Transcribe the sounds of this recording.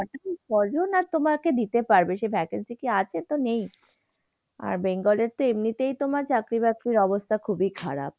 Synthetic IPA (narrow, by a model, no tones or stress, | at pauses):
ɔʈakipɔd͡ʑonat̪omaɾked̪it̪epaɾbeʃebʱɛkensikiat͡ɕʰet̪onej | a̰ɾbeŋɡɔleɾt̪oemnit̪ejt̪omaɾt͡ɕakɾibakɾiɾɔbost̪ʰakʰubikʰaɾa̰p̚